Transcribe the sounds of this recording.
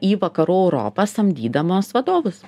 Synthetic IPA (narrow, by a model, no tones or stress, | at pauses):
iːʋɐkɐɾuːɛʊɾo̰ːpɐsɐmʲd̪ʲiːd̪ɐmoːsʋɐd̪oːʋʊs